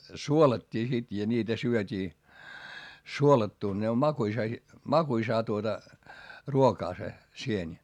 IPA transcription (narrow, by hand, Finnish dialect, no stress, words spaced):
suolɑtʲːiː sit jɑ nʲiːtæ syøtʲiː suolɑtːuˑn ne om mɑkuisɑ si mɑkuisɑː tuotɑ ruokɑː se sienʲi